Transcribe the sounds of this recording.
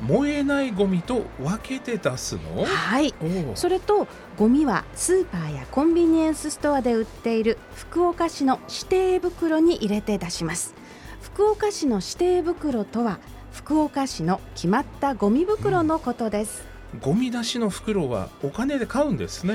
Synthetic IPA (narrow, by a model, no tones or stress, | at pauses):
mo̞e̞naiɡo̞mʲit̪o̞βake̞t̪e̞d̪asɨ̰no̞̰haiso̞ɾe̞t̪o̞ | ɡo̞mʲiβa̰sɨːpaːjakõ̞mbʲiɲ̟iẽɰ̃sɨsɨ̥t̪o̞ad̪e̞ɯ̟t̪ːe̞iɾɯ̟ | ɸɯ̥kɯ̟o̞kaɕino̞ɕi̥t̪e̞ːbɯ̟kɯ̟ɾo̞ɲ̟iʔiɾe̞t̪e̞d̪aɕimasɨ̥ | ɸɯ̟̥kɯ̟okaɕino̞ɕi̥t̪e̞ːbɯ̟kɯ̟ɾo̞t̪o̞βa | ɸɯ̟̥kɯ̟o̞kaɕino̞kʲʰimat̪ːaɡo̞mʲibɯ̟kɯ̟ɾo̞no̞ko̞t̪o̞d̪e̞sɨ̥ | ɡo̞mʲid̪aɕino̞ɸɯ̥kɯ̟ɾo̞βa̰okane̞d̪e̞kaɯ̟̃nd̪e̞̰sɨne